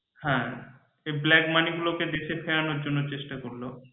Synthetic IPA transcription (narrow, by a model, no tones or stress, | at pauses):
hɛ̃ | eblɛkmaniɡuloked̪eʃʰefʰeɾanoɾd͡ʑonːot͡ɕeʃʈakoɾlo